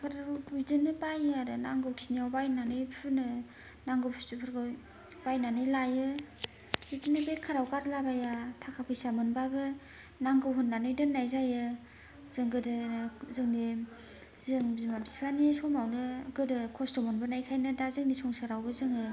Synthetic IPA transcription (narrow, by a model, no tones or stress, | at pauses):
kʰɯɾaidɯnɯbajɯaɾɯnaŋɡɯwkʰi̥sniawbajnanɯjpʰunɯ | naŋɡɯwpʰusɯpʰɯɾɡɯ | bajnanɯjlajɯ | bitinɯbekʰːaɾawkaɾlabajatʰakʰapʰɯjsamɯnbabɯ | naŋɡɯwɦunːanɯjdɯnːajzajɯ | zɯŋɡɯdɯzɯŋne | zɯŋbzimamisi̥pʰanisɔmawnɯɡɯdɯkʰɔstɔmɔnbɯnajkʰajnɯdazɯŋnisɔŋsaɾawbɯzɯŋɯ